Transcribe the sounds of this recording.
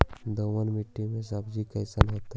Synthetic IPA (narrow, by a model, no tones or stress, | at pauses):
d̪oːʋənmiʈːimẽs̬əbd͡ʒikəɪsəlɦoːt̪a